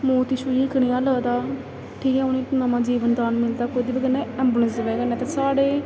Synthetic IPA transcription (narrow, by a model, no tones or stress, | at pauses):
moːt̪iːʃuiːkənijãːləːd̪aː | ʈʰiːkɦɛ̃ːʊnẽːnaːmãːd͡ʒiːʋənd̪aːnmɪld̪aːkoːd̪iːbəɡənẽːɛ̃ːmbunɪsʋɛːɡənːɛːt̪eːsaːɽeː